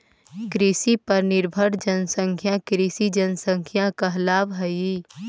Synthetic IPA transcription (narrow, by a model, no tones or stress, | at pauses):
kɾɪsipɐɾnɪɾbʱəɽd͡ʒənsə̃ŋkʰjãkɾisid͡ʒənsə̃ŋkʰjãkaɦlaːbɦɐi